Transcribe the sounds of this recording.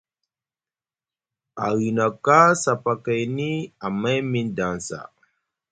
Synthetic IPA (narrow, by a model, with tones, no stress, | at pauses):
a˨ɣi˨na˨ka˦sa˨pa˨kə˨jni˦a˨ma˦jmi˦nda˨nsa̰˨